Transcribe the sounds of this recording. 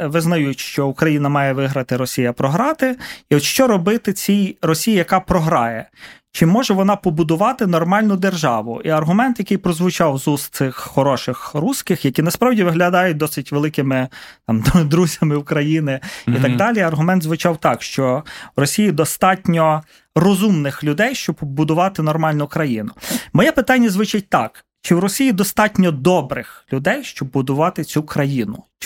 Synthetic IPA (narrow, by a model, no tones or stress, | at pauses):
ʋɪznɐjuʃt͡ʃɔukɾɐjinɐmɑjɛʋɪɦɾɐt̪ɪɾɔsʲijɐpɾɔɦɾɑt̪ɪiɔʃt͡ʃɔɾɔbɪt̪ɪt͡sʲijrɔsʲijijɐkɑpɾɔɦɾɑjɛt͡ʃɪmːɔʒɛʋɔnɑpɔbʊd̪ʊʋɑt̪ɪnɔrmɑlʲnʊd̪erʒɑʋʊ̰ʔiɐrɦʊmɛnt̪jɐkɪjpɾɔzʋʊt͡ʃɑwzust̪sɪxːɔɾɔʃɪxɾusʲkɪxjɐkʲinɐspɾɑwdʲiʋɪɦlʲɐd̪ɑjʊt̚ʲd̪ɔsɪtʲʋelˠɪkɪmɪt̪ɑmd̪ɾuzʲɐmɪʊkɾɐjinɪit̪ɑɡd̪ɑlʲiɐrɦʊmɛnt̪zʋʊt͡ʃɑwt̪ɑkʃt͡ʃɔwrɔsʲijid̪ɔst̪ɑtʲnʲɔ | rɔzumnɪxlʲʊd̪ɛjʃt͡ʃɔbbbʊd̪ʊʋɑt̪ɪnɔrmɑlʲnʊkɾɐjinʊmɔjɛpɪt̪ɑnʲːɐzʋɪt͡ʃɪt̚ʲt̪ɑk | t͡ʃɪwɾɔsʲijid̪ɔst̪ɑtʲnʲɔd̪ɔbɾɪxlʲʊd̪ɛjʃt͡ʃɔbːʊd̪ʊʋɑt̪ɪt͡sʲukɾɐjinʊ̰